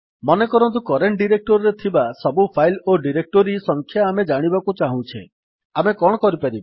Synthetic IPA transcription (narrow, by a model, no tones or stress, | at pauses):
mɔnekɔɾɔnt̪̬ukɔɾeɳʈ̚ɖiɾek̚ʈɔɾɔɾet̪ʰibasɔbupʰajloɖiɾek̚ʈɔɾisɔŋkʰjaːmed͡ʒaɽ̃ibakut͡ʃaɦũt͡ʃʰḛ | amekɔɽ̃ɔkɔɾipaɾiba